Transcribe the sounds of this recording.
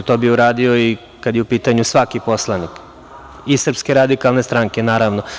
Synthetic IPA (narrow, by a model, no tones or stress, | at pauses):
t̪o̞ːbiuɾaːd̪io̞i | kad̪jeupiːt̪aɲusʋakipo̞slˠanik | isr̩pskeɾad̪ikalˠne̞st̪ɾaŋkenaːɾaʋno